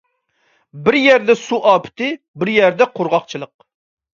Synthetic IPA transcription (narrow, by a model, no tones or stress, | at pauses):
bɪɾjɛɾd̪ɛsuʔɑːpʰɪ̥t̪ɪ | bɪɾjɛɾd̪ɛqʰoɾʁɑqt͡ʃʰɨlˠəq̚